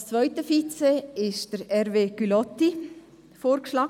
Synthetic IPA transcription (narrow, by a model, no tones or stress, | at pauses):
t͡svœʏtəfit͡sɛɪʃd̥əɾɛɾveːɡ̥ylɔtːi | foːɾkʃlɑː